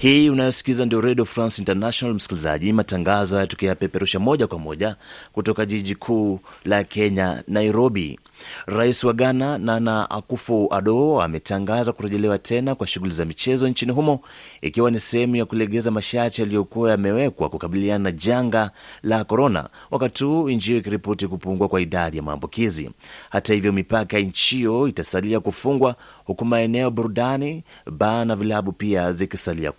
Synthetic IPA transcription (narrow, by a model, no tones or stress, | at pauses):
hiːunajɔsi̥kizandiɔɾɛɗiɔfɾansintanaʃɔnalm̩si̥kiliza̰ʄimataŋɡazɔjajatɔkɛapɛpɛɾuʃamɔʄakwamɔʄakutɔkaʄiʄikʰuːlakɛɲa̰najɾɔɓḭ | ɾaisiwaɠanananaʔa̰kufua̰ɗɔa̰mɛtaŋɡazakuɾɛʄɛlɛwatʰɛnakwaʃuɣulizamit͡ʃɛzɔɲt͡ʃiniɦumɔ | ḭkiwanisɛhɛmujakulɛɠɛzamaʃaɾt͡ʃialijɔkuwajamɛwɛkwa̰kukaɓiliaanaʄaŋɡalakɔɾɔna̰ | wakatihuːiɲd͡ʒiɔikiɾipɔtikupuŋɡwakwaiɗaɗijama̰ːmbukizḭhatahivjɔmipakaɲt͡ʃijɔitasaliakufuŋɡwahukumaɛnɛɔɓuɾuɗaniɓanavilaɓupiazikisalia̰